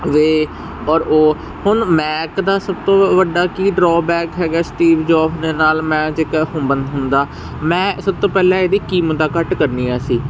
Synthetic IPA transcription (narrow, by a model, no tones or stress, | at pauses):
ʋeː | ɔːɾoː | hʊnmɛːkd̪aːsəb̚t̪õːʋəɖaːkiːɖɾɔːbɛːkɦɛːɡaːsʈiːʋd͡ʒɔːpʰd̪eːnaːlmɛ̃ːd͡ʒɪkːɦʊ̃ːbənd̪ɦʊnd̪aː | mɛ̃ːsəb̚t̪õːpɛːlɛ̃ːeːd̪iːkiːmd̪aːkəʈkəɾniːaːsiː